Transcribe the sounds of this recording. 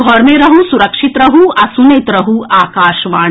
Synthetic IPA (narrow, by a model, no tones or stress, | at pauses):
ɡʱɔɾmẽɾɐɦusuɾɐkʃit̪ɾɐɦuɐsuneːt̪ɾɐɦuaːkaːʃʋaː